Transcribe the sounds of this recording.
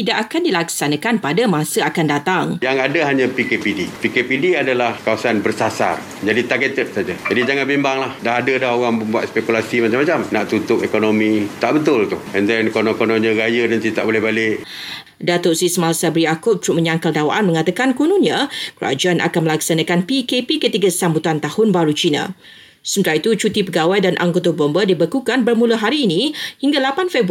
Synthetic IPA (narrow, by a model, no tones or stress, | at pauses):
t̪idaʔakandilaksanãkanpadəmãsəakandat̪aŋjaŋadəɦaɲãpikepidipikepidiadalahkawasanbərsasa̰r | d͡ʒadit̪arɡət̪əʔ̚sad͡ʒad͡ʒadid͡ʒaŋanbimbaŋlahdaɦadədaɦoɣaŋməmbuat̪̚spekulasimat͡ʃamat͡ʃamnaʔt̪unt̪ʊkekonomĩt̪aʔbət̪ʊlt̪ʊhɛndɛnkonõkonoɲãɾajənant̪it̪a̰ʔbolɛhɦbalɪʔ | dat̪oʔsisəmasabɾijakʊp̚t̪ɾuʔməɲaŋkaldawaʔanmə̃ŋat̪akankunuɲãkəa̰d͡ʒaanʔa̰kanməlaksanakanpikepikət̪iɡasambut̪ant̪ahʊnbaɾut͡ʃinã̰ | səmət̪aɾait̪ut͡ʃut̪ipəɡawajdanʔa̰ŋɡot̪abɔmbədibəkukanbərmulaɦaɾiːnihiŋɡalapanfeb